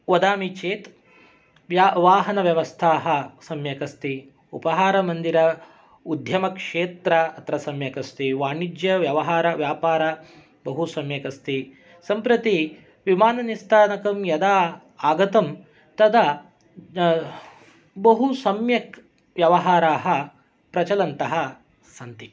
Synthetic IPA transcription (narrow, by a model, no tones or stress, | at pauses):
ʋɐd̪aːmit͡ʃeːt̪ | ʋjaʋaːɦɐnɐʋjɐʋɐst̪ʰaːɦɐsɐmjɐkɐst̪i | upɐɦaːɾɐmɐnd̪iɾɐ | ud̪ʱjɐmɐkʂeːt̪ɾɐɐt̪ɾɐsɐmjɐkɐst̪iʋaːɳid͡ʒjɐʋjɐʋɐɦaːɾɐʋjaːpaːɾa | bɐɦusɐmjɐkɐst̪i | sɐmpɾɐt̪i | ʋimaːnɐnist̪ʰaːnɐkɐmjɐd̪aː | aːɡɐt̪ɐm | t̪ɐd̪ɐ | bɐɦusɐmjɐk | ʋjɐʋɐɦaːɾaːɦɐ | pɾɐt͡ʃɐlɐnt̪ɐɦɐ | sɐnt̪i